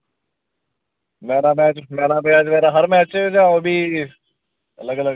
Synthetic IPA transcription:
mɛːnaːmɛːt͡ʃmɛːnaːmɛːd͡ʒmeːɾaɦəɾmɛːt͡ʃd͡ʒaːoːbʱiː | ə̰ləɡələɡ

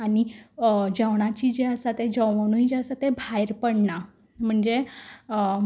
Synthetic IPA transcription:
aɽid͡ʑəʋɽ̃at͡ɕiːd͡ʑeəsat̪ed͡ʑəənuid͡ʑeəsat̪ebʱajɾpəɽɳa | m̤əɳd͡ze

